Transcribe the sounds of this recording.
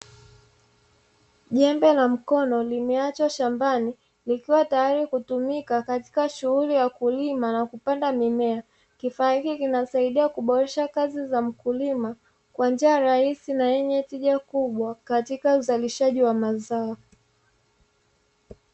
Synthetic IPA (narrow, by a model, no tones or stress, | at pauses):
ʄɛmbɛlam̩kɔnɔlimɛat͡ʃwaʃambani | likiwatajaɾikutumikakati̥kaʃuhulijakulimanakupandamimɛa | kifaːhikikinasaiɗiakuɓɔɾɛʃakazizam̩kulima | kwand͡ʒiaɾaisinajɛɲɛtiʄakuɓwakatikauzaliʃaʄiwamazaɔ